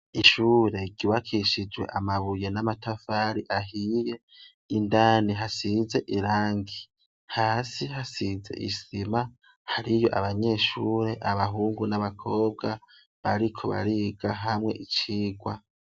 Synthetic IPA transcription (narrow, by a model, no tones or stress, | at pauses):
iʃuːɾe̞ɡɟiwakʰiʃid͡ʒwe̞̰ʔamaβuje̞namatafaːɾiʔaɦije̞ | indaːniɦasize̞ʔiɾaːŋɡi | haːsihasize̞̰ʔḭsima | haɾijo̞ʔaβaɲe̞ːʃuːɾe̞ʔaβaɦuːŋɡunaβakʰo̞ːb̚ɡa | βaɾikʰo̞βa̰ɾiɡaɦamŋe̞̰ʔit͡ʃiːɡwa